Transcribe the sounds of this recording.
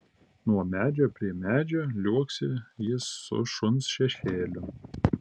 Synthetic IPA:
nuɔmʲæːd͡ʒʲoːpʲɾʲiɛmʲæːd͡ʒʲoːlʲuɔksʲɪjɪsːʊ̰ʃʊnsʃʲɛʃʲeːlʲʊ

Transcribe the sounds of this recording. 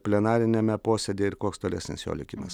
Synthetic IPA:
pʲlʲɛnɑːɾʲɪnʲɛmʲɛpoːsʲɛd̪ʲeːɪɾkoɔkst̪oːlʲɛ̰sʲnʲɪ̰sjo̰ːlʲɪ̰kʲimɐs

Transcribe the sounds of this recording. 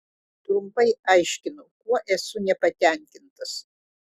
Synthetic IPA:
t̪ɾʊmpɐɪɐɪʃʲkʲɪnʊkuɔʔɛsʊnʲɛpɐt̪ʲɛˑŋʲkʲɪnt̪ɐs

